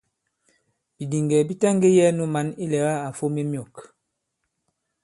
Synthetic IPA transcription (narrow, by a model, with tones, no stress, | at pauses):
b̥i˨di˨ŋɡɛ˨bi˦tɛ˦ŋɡe˦jɛ˦nu˦ma˨˦ni˦lɛ˨ɣa˦a˨fo˦me˦mjɔ˨k